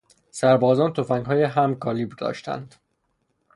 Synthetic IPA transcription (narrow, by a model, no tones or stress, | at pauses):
sæɾbɒːzɒːnt̪ʰo̞fæŋɡɦɒːjeɦæmkʰɒːliːbd̪ɒ̰ːʃt̪æ̰nd̪̥